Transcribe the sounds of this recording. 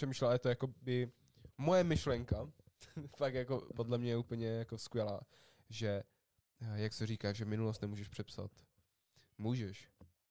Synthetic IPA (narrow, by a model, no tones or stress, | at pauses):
r̥ɛmiːʃlɛljɛt̪ojako̞bɪ | mo̞jɛmɪʃlɛŋka | fakjakopodlɛmɲɛɛuːpl̩ɲɛjakoskʋjɛlaː | ʒɛ | jaksɛriːkaːʃʒɛmɪnulost̪nɛmuːʒɛʃpr̥ɛpsa̰t̪ | muːʒɛʃ